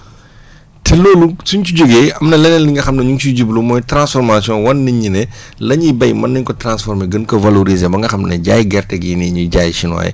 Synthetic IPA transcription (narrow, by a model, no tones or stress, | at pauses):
tɛloːlusuɲt͡ʃuɟuɡeɐmnɐlɛnɛnliŋɡɐxɐmnɐɲuŋt͡ʃuɟublumɔːjtɾãnsfɔɾmasiɔ̃nwɐnːiɲːinɛlɐɲibɐjmɐnːiɲkɔtɾãnsfɔɾmeɡənkɔvɐloɾizebɐŋɡɐxɐmnɐɟaːjɡɛrtɛɡiniɲuɟaːjʃinɔ̰ːjɛ̰